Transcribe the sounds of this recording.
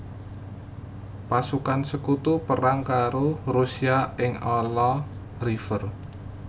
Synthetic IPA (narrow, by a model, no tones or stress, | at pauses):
pasukansəkut̪upəɾaŋkaɾorusiaɪŋɔlɔ | ɾifər